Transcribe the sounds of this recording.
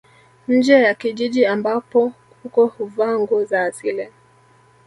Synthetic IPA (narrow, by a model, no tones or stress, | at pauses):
ɲ̩d͡ʒɛjakiʄiʄiambapɔ | hukɔhuvaŋɡɔzaːsilɛ